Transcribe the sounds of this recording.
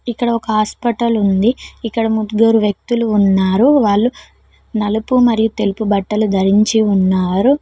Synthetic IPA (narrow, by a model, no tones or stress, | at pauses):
ikːɐɽɐɔkɐɦaːspɐʈɐlund̪iikːɐɽɐmud̪ɡoːɾuʋjɐk̚t̪uluːnːaːɾuʋaːɭːu | nɐlɐpumɐɾijut̪e̞lupubɐʈːɐlud̪ʱɐɾiɲt͡ʃiunːaːɾu